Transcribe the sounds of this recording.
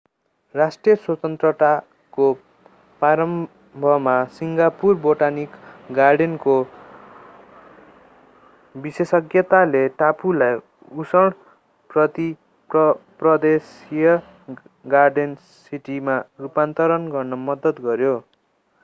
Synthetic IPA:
rasʈrijʌswʌt̪ʌnt̪rʌt̪a | ko | paɾʌm | bʱʌɦmasiŋɡapurboʈanikɡarɖenko | bisesʌɡjʌt̪aleʈapulaj | usʌɽ | prʌt̪i | pʌprʌd̪es | ijʌ | ɡarɖen | siʈimaupant̪ʌɾʌnɡʌrnʌmʌd̪ʌt̪ɡʌɾjo

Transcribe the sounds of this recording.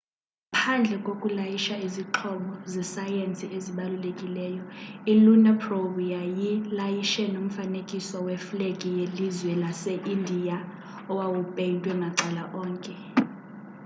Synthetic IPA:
pʰand͡ɮʱɛkʼokʼulajiʃaiziǁʰɔɓɔzɛsajent͡sʼieziɓalulekʼilɛːjɔilunɛpʰrovjajilajiʃɛnom̩fanekʼiswɔwɛflekʼijelizwɛlaseʔindʱija | ɔwawupʼentʼwɛŋʱaǀalaʔɔːŋkʼɛ

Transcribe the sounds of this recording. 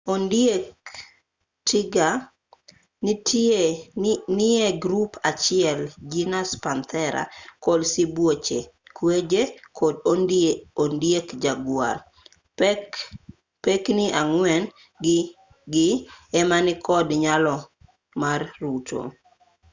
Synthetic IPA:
ondjek | tɪɡa | nite | nɪɛɡɾupʰat͡ʃɪɛld͡ʒinaspant̪ʰɛɾa̰kolsibwot͡ʃekwed͡ʒekʰodoondjekd͡ʒaɡwa̰r | peknɪʔaŋwɛn | ɡ | ɡɪɛmanɪkʰɔdɲalɔ | marːutʰo̰

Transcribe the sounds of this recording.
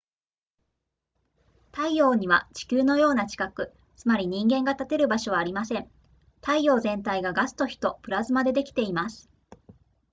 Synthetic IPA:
t̪aijo̞ːɲ̟iβ̞a̰t͡ɕi̥kʲɨːno̞jo̞ːnat͡ɕi̥kakɯ̟ | t͡sɨmaɾʲiɲ̟ĩŋɡẽ̞ŋɡat̪at̪e̞ɾɯ̟baɕo̞βaːɾʲimasẽ̞n | t̪aijo̞ːzẽ̞nt̪aiɡaɡasɨ̥t̪o̞çi̥t̪o̞pɯ̟ɾazɨmad̪e̞d̪e̞kʲi̥t̪e̞imasɨ̥

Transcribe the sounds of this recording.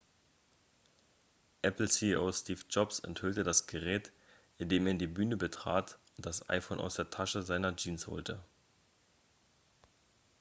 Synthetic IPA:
ʔɛpl̩siʔoːstiːfd͡ʒɔpsɛ̰nthʏltədasɡ̥əʁɛːt | ʔɪndeːmeːɐdiːbyːnəbətʁ̥a̰ːtʊnt̚d̥asʔa̰ɪfoːnʔa̰ʊsd̥eːɐtʰaʃəzaɪnɐd͡ʒiːnsho̰ːltə

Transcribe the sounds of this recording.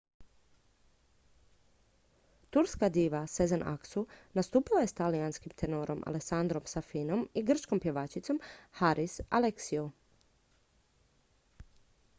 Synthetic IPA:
t̪uɾskad̪iːʋasezanʔa̰ksunast̪uːpilaje̞st̪alijanskimt̪ʰenoːɾo̞mʔa̰leksand̪ɾo̞msafino̞miɡr̩t͡ʃko̞mpje̞ʋaːt͡ʃit̪so̞mhaɾʔisa̰leksiu

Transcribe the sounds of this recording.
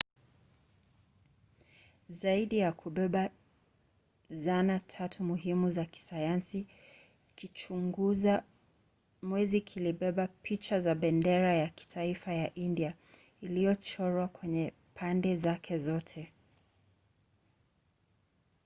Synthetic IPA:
zaiɗijakʰuɓɛɓa | zanatʰatʰumuɦimuzaki̥sajansi | kit͡ʃuŋɡuza | mwɛzikʰiliɓɛɓapit͡ʃazaɓɛndɛɾajaki̥tʰaifajaʔindia | ilijɔt͡ʃɔɾwakwɛɲɛ | pʰandɛzakʰɛzɔtʰɛ

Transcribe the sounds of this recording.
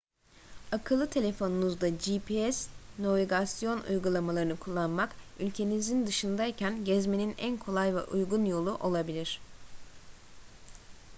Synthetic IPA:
akʰɯlˠːɯt̪ʰe̞lʲe̞fo̞nunuzd̪ad͡ʒipʰiɛsno̞viɡasijo̞nʔṵjɡulˠamalˠaɾɯnɯkʰulˠːanmakylʲcʰe̞nizind̪ɯʃɯnd̪aicʰænɟɛzme̞ninænkʰo̞lˠajvɛ̰ʔujɡunjo̞lˠuʔo̞lˠabilʲiɾ̝̥

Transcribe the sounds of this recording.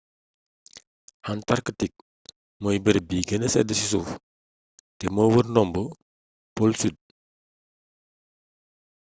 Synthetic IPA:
hantaɾkətik̚ | mojbəɾbiːɡənəsɛ̰dəsisuf | tɛmowəɾnɔmbə | polsyd̚

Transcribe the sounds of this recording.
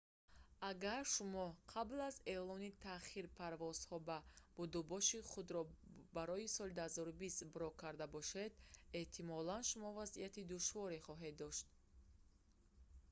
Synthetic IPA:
aɡaɾʃumɔqʰablaze̞lɔnit̪ʰaχiɾpʰaɾvɔz̥hɔbab̥ud̪ubɔʃiχud̪ɾɔbaɾɔisɔlid̪uhazɔɾubist̪bɾɔkʰːaɾd̪abɔʃed̪eht̪ʰimɔlanʃumɔvaziat̪id̪uʃvɔɾeχɔɦe̞d̪ːɔʃt̪̚

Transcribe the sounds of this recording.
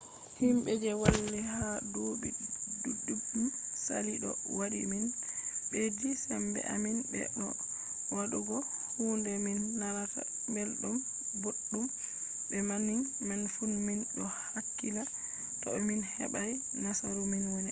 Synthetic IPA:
himɓɛd͡ʒɛwalːihadobiduudːumsa̰liɗɔ̰wadḭminbedisɛmbɛ̰ʔa̰minbɛ̰ɗɔ | waɗuɡɔ | huːndɛminːaɾata̰ | mbɛlɗum | boɗːum | bɛmaniŋ | manfunminɗɔhakːila | tɔminhɛ̰ɓaj | nasaɾuminwɔnɛ

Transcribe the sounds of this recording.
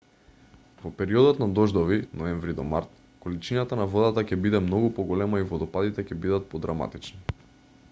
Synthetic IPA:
vɔpɛɾiɔd̪ɔt̪nad̪ɔʒd̪ɔvinɔɛɱvɾid̪ɔma̰ɾt̪ | kolit͡ʃinat̪anavɔd̪at̪acɛbid̪ɛmnɔɡupɔɡɔlɛmaivɔd̪ɔpad̪it̪ɛcɛbid̪at̪̚pɔd̪ɾama̰t̪it͡ʃni

